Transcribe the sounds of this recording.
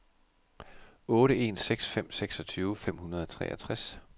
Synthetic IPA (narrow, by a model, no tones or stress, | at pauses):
ɔ̽ːɾəe̝̰ːnseɡ̥sfem̰seɡ̥sɒt͡sʰyːʊəfem̰hunɐð̞ˠɒt͡sʰʁɛ̰ːɐt͡sʰʁas